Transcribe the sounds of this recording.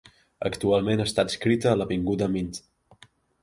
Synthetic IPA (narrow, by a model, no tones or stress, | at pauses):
ə̰kt̪ualˠmenəst̪at̪əskɾit̪əːləβiŋɡuðəmint̪